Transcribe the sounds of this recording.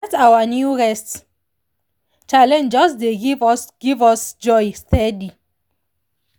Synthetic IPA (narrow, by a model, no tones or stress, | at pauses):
tawanjuɹɛst | t͡ʃalɛ̃nd͡ʒɔsdeɡivsɡ̥ivɔsd͡ʒɔjstɛdi